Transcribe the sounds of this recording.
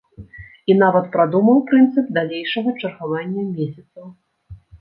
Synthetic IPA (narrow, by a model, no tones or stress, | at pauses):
in̪avɐt̪pɾad̪umɐwpɾɨnt̪sɨp̚d̪alʲejʂɐɣɐt͡ʂɐrɣavanʲːɐmʲesʲɐt̪sɐw